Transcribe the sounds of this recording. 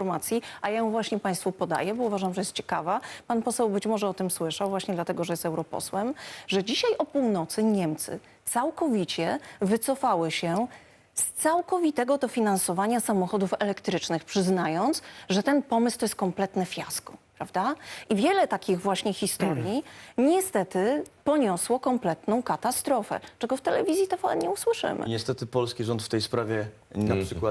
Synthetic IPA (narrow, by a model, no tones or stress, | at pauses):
fɔɾmat̪sʲjiʔajajɛ̃w̃vwaɕɲɛpãj̃st̪fupɔd̪a̰jɛbɔuvaʐamʐɛjɛst̪̚t͡ɕɛ̥kavapanpɔsɛwbɘt͡ɕmɔʐɛɔt̪ɘmswɘʂawvwaɕɲɛd̪lat̪ɛɡɔʐɛjɛsɛwɾɔpɔ̰swɛmʐɛd͡ʑiɕajʔɔpuwnɔt̪sɘɲɛmt̪sɘ̰ | t̪sawkɔvʲit͡ɕɛvɘt̪sɔfawɘɕɛ | st̪sawkɔvʲit̪ɛɡɔd̪ɔfʲinansɔvaɲasamɔxɔd̪ufɛlɛkt̪ɾɘt͡ʂnɘxpʂɘznajɔnt̪sʐɛt̪ɛnpɔmɘst̪ɔjɛst̪kɔmplɛt̪nɛfʲjaskɔ̥pɾavd̪aʔivʲjɛlɛt̪akʲiɣvwaɕɲɛxʲist̪ɔɾjjiɲɛst̪ɛt̪ɘpɔɲɔswɔkɔmplɛt̪nɔ̃w̃kat̪ast̪ɾɔfɛ̰t͡ʂɛɡɔft̪ɛlɛvʲizjit̪ɛfawɛ̰nɲɛuswɘʂɘ̰mʔɘ̰ɲɛst̪ɛt̪ɘpɔlskʲiʐɔnt̪ft̪ɛjspɾavʲɛ | naʂɘkwa